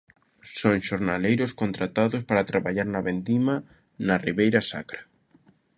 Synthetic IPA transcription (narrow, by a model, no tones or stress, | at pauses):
soŋʃoɾnalejɾʊskont̪ɾat̪aðʊspaɾat̪ɾaβaʎaɾnɐβend̪ima | nɐriβejɾɐsa̰kɾa